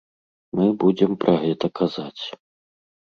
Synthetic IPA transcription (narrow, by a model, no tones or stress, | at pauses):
mɨbud͡zʲɛmpɾʔɐɣɛt̪ɐkʰazat͡sʲ